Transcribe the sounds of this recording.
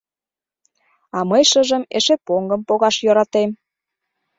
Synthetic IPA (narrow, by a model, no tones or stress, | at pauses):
ɑməjʃəʒə̆mḛʃepoŋɡə̆mpoɣɑʃjøɾɑt̪em